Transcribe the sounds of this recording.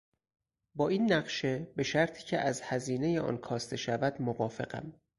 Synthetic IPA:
bɒːiːnːæɢʃe̞be̞ʃæɾt̪ʰi̥ːcʰeʔæzhæziːne̞jeʔɒ̰ːnkʰɒːst̪ʰe̞ʃævæd̪movɒːfe̞̰ɢæ̰m

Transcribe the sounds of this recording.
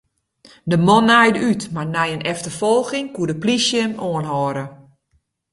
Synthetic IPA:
dəmɔnːɛjdytmarnɛjənɛftərfolˠɣɪŋkuədəplisjəmoənɦɔːɾə

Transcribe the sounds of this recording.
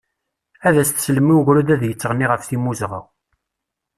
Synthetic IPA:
æðæst̪sləmːiwʝɾud̪æðjət͡sːəʁnːiʁəfθimuzʁa̰w

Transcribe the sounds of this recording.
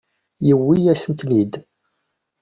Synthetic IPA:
jəwːijæsənt̪nid̪

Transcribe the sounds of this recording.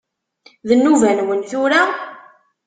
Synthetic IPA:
ðənːuvænwənθʊɾa

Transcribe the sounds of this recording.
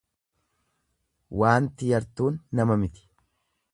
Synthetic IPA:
waːnt̪ɪjɐɾt̪uːnːɐmɐmɪt̪ɪ̥

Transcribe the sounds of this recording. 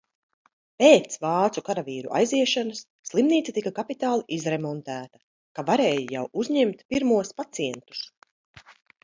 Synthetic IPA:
peːt̪svɑːt̪sukaɾaviːɾṵʔa̰jziɛʃanɐsːlˠimniːt̪sit̪ikakapit̪aːlˠiʔizɾemɔnt̪æːt̪ɐ̥ | kavaɾeːjija̰wuzɲemt̪piɾmuɔspat̪siɛnt̪u̥s

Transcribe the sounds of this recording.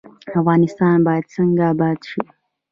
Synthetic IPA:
afɣaːnɪst̪aːnbaːt͡sɐŋɡabaːt͡ʃi

